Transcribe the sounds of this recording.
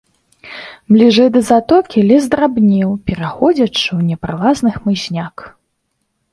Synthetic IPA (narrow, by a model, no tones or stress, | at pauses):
mlʲiʐɛjd̪ɐzat̪ɔkʲilʲɛzd̪ɾabnʲiwpʲɛɾaxɔd͡zʲɐt͡ʂɨwnʲɛpɾalˠaznɨxmɨɕʲnʲak